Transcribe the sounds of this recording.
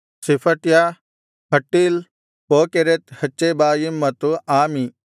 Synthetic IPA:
sipʰəʈjaː | ɦɐʈːiːl | poːkeɾet̪hɐt͡ʃːebaːjimːɐt̪uaːmiː

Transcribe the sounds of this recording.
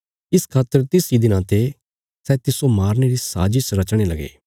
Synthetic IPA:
ɪskʰaːt̪ːəɾt̪ɪsid̪ɪnãːt̪e | sɛːt̪ɪsomaːɾneɾisa̰ːd͡ʒisɾɐt͡ʃɽ̃eːlɐɡḛː

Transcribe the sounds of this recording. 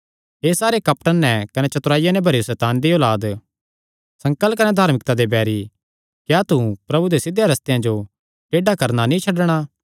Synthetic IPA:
ɦeːsaːɾekɐpʈənːɛkɐnɛt͡ʃɐt̪ʊɾaːijanɛ̃bʱɐɾesɛːt̪aːnd̪ioːlaːd̪ | sɐ̃ŋkəlkɐnɛd̪ʱaːɾmɪk̚t̪ad̪ebɛːɾi | kjaːt̪upɾɐbud̪esɪd̪ʱːjaɾɐst̪ɪjãd͡ʒo | ʈeːɖakɐɾnanĩt͡ʃʰɐɖɽ̃a

